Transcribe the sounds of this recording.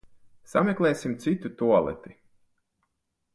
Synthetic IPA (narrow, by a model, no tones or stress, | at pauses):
samʲeklˠɛːsimt̪sit̪ut̪uɔlˠɛ̰t̪i